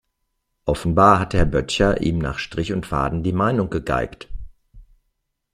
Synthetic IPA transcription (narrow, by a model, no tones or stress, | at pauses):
ʔɔfn̩baːɐɦathɛɐbœtçɐʔḭːmna̰ːχʃtʁ̥ɪçʊntfa̰ːdn̩diːmaɪnʊŋɡəɡa̰ɪkt